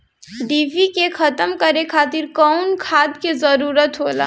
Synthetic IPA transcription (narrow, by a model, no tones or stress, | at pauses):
ɖibʱikekʰət̪əmkəɾekʰaːt̪iɾkɔʊnkʰaːd̪kezəɾuɾət̪ɦola̰